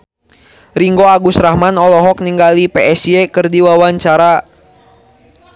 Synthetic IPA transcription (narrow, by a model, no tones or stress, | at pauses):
ɾiŋɡoaɡusɾahmanɔlɔɦɔk̚niŋɡalipeɛsiɛkɨrdiwawaɲt͡ʃaɾa